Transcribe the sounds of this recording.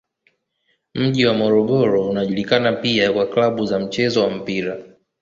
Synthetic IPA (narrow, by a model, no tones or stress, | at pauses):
m̩ʄiwamɔɾɔɠɔɾɔunaʄulikanapiakwaklaɓuzam̩t͡ʃɛzɔwam̩piɾa